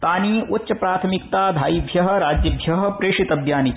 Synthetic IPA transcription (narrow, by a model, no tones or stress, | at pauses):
t̪aːniːutːʃɐpɾaːt̪ʰɐmikt̪aːd̪ʱaːjibʱjɐɦɐ̆ɾaːd͡ʒjɐbʱjɐɦɐ̆pɾeːʂit̪ɐbʱjaːnit͡ʃ